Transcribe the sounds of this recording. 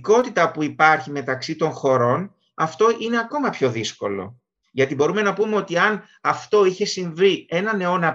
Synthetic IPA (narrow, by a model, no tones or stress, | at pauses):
ko̞t̪it̪ɐpuipɐɾçime̞t̪ɐksit̪o̞ŋxo̞ɾo̞n | ɐft̪o̞ʔine̞ɐko̞mɐpço̞ðisko̞̰lo̞̰ | ʝɐt̪ibo̞ɾume̞nɐpume̞o̞t̪iɐn | ɐft̪o̞içe̞siɱvie̞nɐne̞o̞nɐ